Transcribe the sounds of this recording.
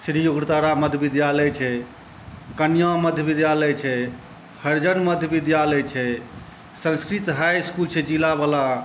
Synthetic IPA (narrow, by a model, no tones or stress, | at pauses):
sɾijoɡɾt̪aɾaməd̪ʱjəbid̪jaləjt͡ʃʰɛ | kənijãməd̪ʱjəbid̪jaləjt͡ʃʰɛ | həɾd͡ʒənməd̪ʱjəbid̪jaləjt͡ʃʰɛ | sə̃nskɾit̪ɦajskult͡ʃʰɛd͡ʒilabala